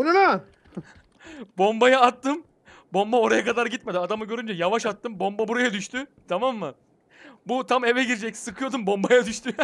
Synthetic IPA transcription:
unaɾa | bo̞mbajaːt̪ːɯm | bo̞mbao̞ɾajakad̪aɾɟit̪med̪iad̪amɯɟø̞ɾynd͡ʒɛjavaʃat̪ːɯmbo̞mbabuɾajad̪yʃt̪ʰyt̪ʰamamːɯ | but̪ʰamevɛɟiɾd͡ʒɛcsɯkʰɯjo̞d̪umbo̞mbajad̪yʃt̪ʰy

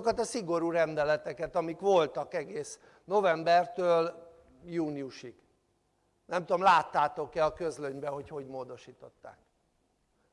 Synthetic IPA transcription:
kɒt̪ɒsiɡo̞ɾuɾɛnd̪ɛlɛt̪ɛkɛt̪ɒmikʋo̞lt̪ɒkɛɡeːs | no̞vɛmbɛrt̪øːl | juːniuʃiɡ̥ | nɛmt̪uo̞mlaːt̪ːaːt̪o̞kɛɒkø̞zløɲbɛɦo̞cho̞ɟmoːd̪o̞ʃiːt̪o̞t̪ːa̰ːk̚

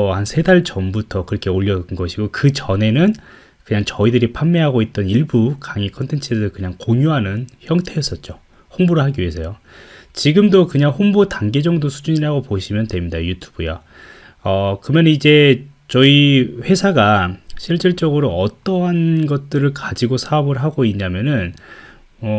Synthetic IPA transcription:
hansʰe̞daɭt͡ɕʌmbutʰʌkɯɾʌkʰe̞oʎːʌnɡʌɕʰiɡokɯt͡ɕʌne̞nɯn | kɯɲaŋt͡ɕʌidɯɾipʰamːeɦaɡoit̚t͈ʌniɭbukaŋikʰʌntʰe̞nt͡ɕʰidɯɯɭkɯɲaŋkoŋjuɦanɯnçjʌŋtʰe̞ʌs͈ʌt̚t͡ɕ͈o | hoŋboɾɯɭɦaɡiiesʰʌjot͡ɕiɡɯmdokɯɲaŋɸoŋbutaŋɡed͡ʑʌŋdosʰu̥d͡ʑuɲiɾaɡopoɕʰimjʌntwe̞mɲidajutʰu̥bɯja | ʌkɯmjʌnɯnid͡ʑe̞ | t͡ɕʌiɸwe̞sʰaɡaɕʰiɭt͡ɕ͈iɭt͡ɕ͈ʌɡɯɾoʌt͈ʌɦʌnɡʌt̚t͈ɯɾɯɭkad͡ʑiɡosʰaʌbɯɭɦaɡoiɲːamjʌnɯn | ʌ

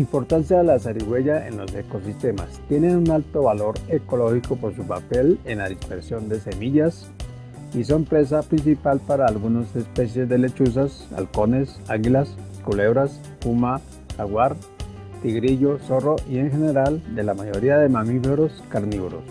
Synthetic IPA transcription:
impo̞ɾt̪ansjaðelasaɾiɣwe̞ʝaḛnlo̞̰se̞ko̞s̬ist̪e̞ma̰st̪je̞nenunalt̪o̞βalo̞ɾe̞ko̞lo̞xiko̞po̞ɾsupape̞lenlaðispe̞ɾsjo̞nd̪e̞se̞miʝas | is̬o̞mpɾe̞s̬apɾins̬ipalpaɾaːlɣunose̞spe̞sje̞zd̪e̞le̞t͡ʃus̬as | a̰lko̞ne̞s | aɣilaskule̞βɾas | puma | aɣwaɾ | t̪iɣɾiʝo̞so̞roʔie̞ŋxe̞ne̞ɾald̪e̞lamaʝo̞ɾiaðe̞mamifeɾo̞skaɾniβuɾo̞̰s

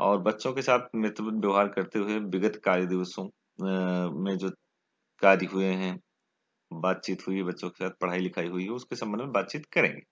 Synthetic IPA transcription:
ɔːɾbɐtːʃõkesaːt̪ʰmeɦt̪wəbubjɐːɦaːɾkɐɾt̪eɦʊebɪɡət̪kaːɾjəd̪ɪʋəsõ | mẽd͡ʒoː | kaːɾiɦʊeɦɛ̃ | baːt̪̚t͡ʃiːt̪ɦʊiɦɛbɐtːʃõke̥saːt̪̚ʰpɐɽ̤aːilɪkʰaːiɦʊiɦɛʊskesɐ̃mbənmẽbaːt̪̚t͡ʃiːt̪kɐɾḛ̃ːŋɡeː

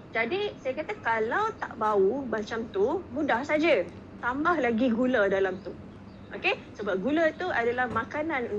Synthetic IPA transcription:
d͡ʒadisajakat̪akalawt̪a̰ʔbaumat͡ʃamt̪umũdahsad͡ʒə | t̪ambahlaɡiɡulədalamt̪u | ʔokesəbap̚ɡulət̪uadalahmãkanãnu

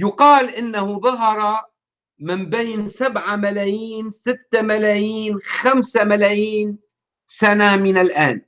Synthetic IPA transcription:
jʊqɑːlʔɪnːahʊðˤɑɦɑɾˤɑ | mɪmbeːnsabʕamalaːjiːnsɪt̪ːamalaːjiːnxamsamalaːjiːn | sanamɪnalʔaːn

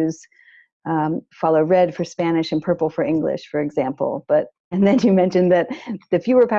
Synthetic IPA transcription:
z̥ | fɑlˠoʊɹɛd̥fə˞spænɨʃɨ̃npʰɜ˞pl̩ˠfə˞ɪ̃ŋɡlɪ̰ʃfə˞ɨɡzæ̃mpl̩ˠb̥ʌɾ | ɨ̃nðɨ̃njɨmɛ̃nʃɨ̃nðɨt̪̚ðɨfjɨwə˞pʰa

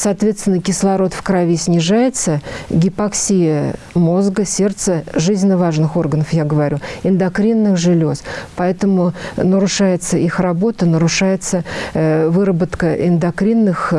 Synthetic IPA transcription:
sɐːt̪vʲest̪ʲɪnːəkʲɪslˠɐɾo̞t̪fkɾɐvʲisʲnʲɪʐajɪt̪səɡʲɪpaksʲijə | mo̞zɡəsʲe̞rt̪səʐɨzʲnʲɪnːəvaʐnɨxo̞rɡənəfjaɡəvɐɾʲuɪnd̪ɐkɾʲinːɨxʐɨlʲospɐɛt̪əmʊnəɾʊʂajɪt̪səʔixrabo̞t̪ənəɾʊʂajɪt̪sə | vɨɾəbət̪kəʔɪnd̪ɐkɾʲinːɨx

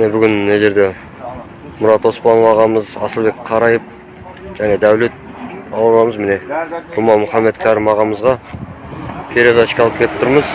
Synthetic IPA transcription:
nebʏɡʲɪnneʒe̞ɾd̪e̞ | mʊɾɑt̪wo̞spɑnvɑʁɑməzɑsəlˠbe̞kqʰɑɾɑjəp̚ | ʒ̥æne̞d̪æwle̞t̪̚ | ɑlˠɑlˠɑməzmɪne̞ɾʊmɑnmʊχɑmːe̞t̪kʲʰæɾɪmɑʁɑməzʁɑ | pʲʰeɾed̪ɑʃkʲɑlˠəpkʰʲelɪp̚t̪ʰʊɾməz

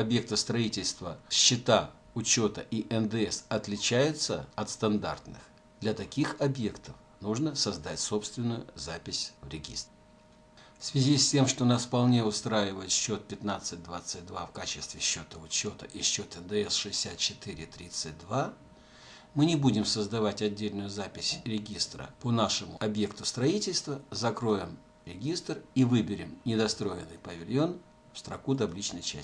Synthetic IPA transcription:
ɐbje̞k̚t̪əst̪ɾɐitʲɪlʲst̪vəɕːɪt̪a | ʊt͡ɕo̞t̪əʔiʔɛnd̪ɛɛsɐt̪lʲɪt͡ɕæjʊt̪səɐt̪st̪ɐnd̪a̰rt̪nɨx | d̪lʲɐt̪ɐkʲixɐbje̞kt̪əf | nuʐnəsɐzd̪atʲso̞pst̪vʲɪnːʊjʊ̰zapʲɪsʲvɾʲɪɡʲḭst̪ɪ | fsvʲɪzʲisʲtʲe̞mʂt̪onasfpɐlˠnʲeʊst̪ɾajɪvəjɪt̪ɕːo̞t̪̚pʲɪt̪nat̪sɨt̚ʲd̪vat̪sɨt̚ʲd̪vafkat͡ɕɪst̪vʲɪɕːo̞t̪əʊt͡ɕːo̞t̪əʔiɕːo̞t̪ənd̪əɛsʂɨɪsʲat̪̚t͡ɕɪt̪iɾʲɪt̪ɾʲit̪sɨt̚ʲd̪va | mɨnʲɪbudʲɪmsəzd̪ɐvatʲɐdʲːelʲnʊjʊzapʲɪsʲɾʲɪɡʲist̪ɾə̰ponaʂɨmʊɐbje̞kt̪ʊst̪ɾɐitʲɪlʲst̪vəzɐkɾo̞jɪm | ɾʲɪɡʲist̪rivɨbʲɪɾʲɪmnʲɪd̪ɐst̪ɾo̞jɪnːɨjpəvʲɪlʲjo̞n | fst̪ɾɐkut̪̬ɐblʲit͡ɕnəjt͡ɕæ̰

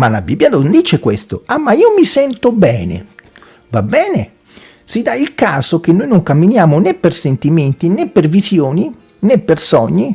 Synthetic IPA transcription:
malabibːjad̪ond̪iːt͡ʃekwest̪o̰amːaiːomisɛnt̪obɛːnḛ | vabːɛːne | sid̪ailkaːsok̟enːoːjnoŋkamːinjaːmonepːersent̪iment̪inepːervisjoːni | nepːersɔɲːi

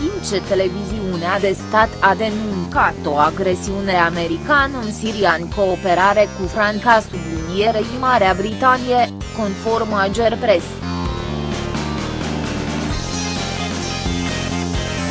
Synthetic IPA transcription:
int͡ʃet̪e̞le̞viziunead̪e̞st̪at̪ʰad̪e̞nuŋkat̪o̞aɡɾe̞siune̞ame̞ɾikanɨnsiɾianko̞ːpe̞ɾaɾe̞kufɾaŋkasud̪unjeɾeʃimaɾeabɾit̪anije | ko̞nfo̞rmad͡ʒerpɾes

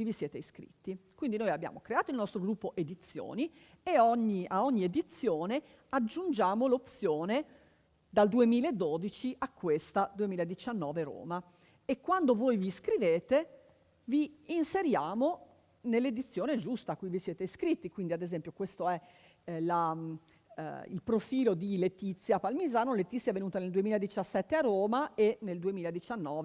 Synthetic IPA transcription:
ivisjɛːt̪eiskɾḭt̪ːikwind̪inojabːja̰ːmokɾeaːt̪oilnɔst̪ɾoɡɾupːoʔed̪it̪sːjo̰ːni | eɔɲːiʔaɔɲːied̪it̪sːjoːne | ad͡ʒːund͡ʒaːmolop̪sjoːne | d̪ald̪uemiːlaed̪ːod̪it͡ʃiʔakːwest̪ad̪uemiːlaed̪it͡ʃanːɔːveɾo̰ːma | ekːwand̪ovojviskɾiveːt̪e | viːnseɾjaːmo | nelːed̪it̪sːjoːned͡ʒust̪akːujvisjeːt̪eiskɾit̪ːikwind̪iad̪ezɛmpjokwest̪oɛ | la | ḭlpɾofiːlod̪ilet̪it̪sːjapalmizaːnolet̪ːit̪sːjɛvenuːt̪aneld̪uemiːlaed̪it͡ʃasːɛt̪ːearːoːmaeneld̪uemiːlaed̪it͡ʃanːɔːve

